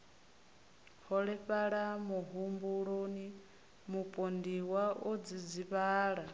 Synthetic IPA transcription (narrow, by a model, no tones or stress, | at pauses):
hɔɺɛɸaɺamuɦumbuɺoni | mupʼondiwaod͡zid͡ziβaːɺa